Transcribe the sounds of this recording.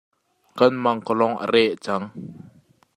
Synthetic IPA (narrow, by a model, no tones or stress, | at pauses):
kanmaŋkɔlɔŋə̰ɾɛʔət͡saŋ